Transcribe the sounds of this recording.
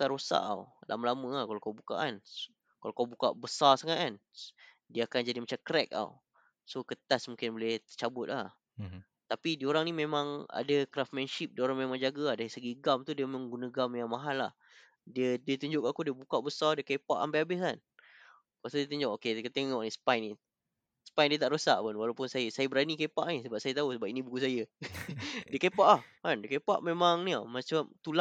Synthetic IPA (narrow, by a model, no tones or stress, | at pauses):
kaɾosa̰ʔa̰wlʔa̰məlamə̃akalakawbuka̰ʔan | kalakawbuka̰ʔbəsarsaŋat̪ʔ̚an | diəakand͡ʒadimat͡ʃamkɾɛk̚a̰w | sokət̪asmuŋkɪnbolɛht̪ət͡ʃabʊt̪̚lah | t̪apidioɾaŋnimemãŋa̰dakɾaf̚mɛnʃip̚dioɾaŋmemãŋd͡ʒaɡaadaisəɡiɡamt̪udiəmemaŋɡunəɡamjaŋmaɦalah | diədiət̪uɲd͡ʒʊʔkaʔakudiəbukaʔbəsɔrdiəkepa̰ʔa̰mbajabɪskan | kasadiət̪uɲd͡ʒʊʔokediəkət̪eŋŋɔʔnĩsə̥pajni | sə̥pajndiət̪aʔɾosaʔpʊnwalawpʊnsajasajabəɾanikepaʔnĩsəbap̚sajət̪ausəbap̚inĩbuɡus̬ajə | diəkepaʔlahkandiəkepa̰ʔmemaŋnimat͡ʃamt̪ula